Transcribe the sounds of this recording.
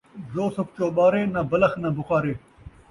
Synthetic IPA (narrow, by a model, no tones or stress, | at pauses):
zoːsɐft͡ʃoːɓaːɾeːnɐːbɐlɐxnɐːbʊxaːɾeː